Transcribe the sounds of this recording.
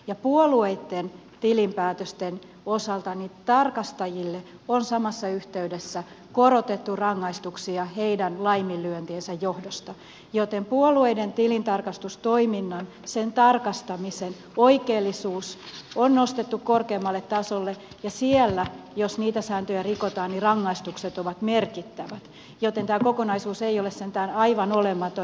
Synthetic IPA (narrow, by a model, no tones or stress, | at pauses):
jɑpuolueit̪ːen | t̪ilimpæːt̪øst̪en | osɑlt̪ɑnit̪ɑrkɑst̪ɑjilːe | onsɑmɑsːɑyht̪eydesːæ | koɾot̪et̪ːurɑŋːɑist̪uksiɑheidænlɑimːilːyønt̪iensæjjohdost̪ɑ | jot̪empuolueident̪ilint̪ɑrkɑst̪ust̪oiminːɑn | sent̪ɑrkɑst̪ɑmisen | oikeːlːisuːsonnost̪et̪ːukkorkeːmːɑlːet̪t̪ɑsolːe | jɑsielːæjosniːt̪æsæːnt̪øjærikot̪ɑːnnirɑŋːɑist̪ukset̪oʋɑt̪merkit̪ːæʋæt̪ | jot̪ent̪æːkokonɑisuːseijolessent̪æːnɑiʋɑnolemːɑt̪o